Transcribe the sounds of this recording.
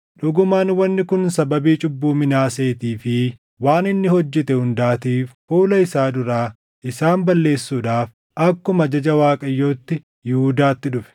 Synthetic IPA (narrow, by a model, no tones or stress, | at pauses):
ᶑʊɡʊmaːnwɐnːɪkʊnsɐbɐbiːt͡ʃʼʊbːuːmɪnaːse̞ːt̪iːfɪ | waːnɪnːɪhɔd͡ʒːɛt̪ɛhʊnd̪aːt̪iːffuːlɐɪsaːd̪ʊɾaː | ʔɪsaːmbɐlːe̞ːsːuːᶑaːf | ʔɐkːʊmɐd͡ʒɐd͡ʒɐwaːkʼɐjːo̞ːt̪ːɪ | jɪhʊd̪aːt̪ːɪᶑʊfɛ̥